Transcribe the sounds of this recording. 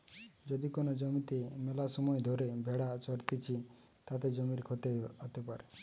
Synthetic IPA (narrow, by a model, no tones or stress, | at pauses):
d͡ʒɔd̪ikonɔd͡ʒɔmit̪emelasɔmɔjɔd̪ʱɔɾebʱeɽat͡ʃɔɾt̪it͡ʃʰi | t̪at̪ed͡ʒɔmiɾekʰɔt̪eɦot̪epaɾe